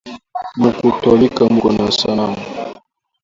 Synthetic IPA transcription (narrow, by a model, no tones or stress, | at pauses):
mukutɔlikamɡɔnasanammu